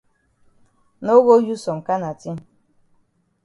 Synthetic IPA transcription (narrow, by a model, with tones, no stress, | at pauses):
no˦ɣo˦ju˦sɔ˨m̩˨ka˦na˨ti˦